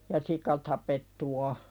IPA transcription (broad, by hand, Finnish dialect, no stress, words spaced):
jɑ sikɑ tɑpetːu o